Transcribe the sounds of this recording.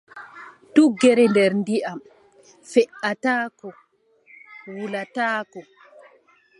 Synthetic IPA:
tuɡɛɾɛndɛɾndiʔam | fɛʔataːkɔ | wulataːkɔ

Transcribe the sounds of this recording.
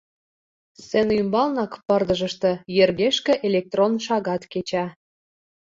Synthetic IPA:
sĕnymbɑlnɑkpɤ̆rd̪əʒə̆ʃt̪ɤ̆jerɣeʃkĕʔelʲek̚t̪ronʃɑɣɑt̪ket͡ɕɑ

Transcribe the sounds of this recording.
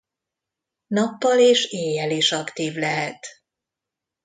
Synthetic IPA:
nɒpːɒleːʃeːjɛliʃɒkt̪iːvlɛɦɛt̪

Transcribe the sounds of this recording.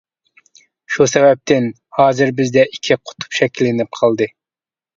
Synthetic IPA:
ʃusɛvɛp̚t̪ʰɪn | hɑːzɪɾbɪzd̪ɛʔikʲʰiqʰʊ̥t̪ʰu̥pʃɛkʲʰilːɪnɪp̚qʰɑlˠd̪ɨ

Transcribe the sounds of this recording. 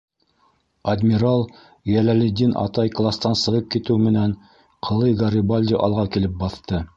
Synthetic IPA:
ɐd̪ʲmʲiɾalˠ | jælælɘd̪ʲinʔɑ̰t̪ɑjklˠast̪ɑnsɤ̆ʁɤp̚kit̪ɘwmɘ̆næn | qʰɤ̆lˠɤjɡɐɾʲɪbalʲd̪ʲiʔɑlˠʁɑkilɘp̚bɑθt̪ɤ

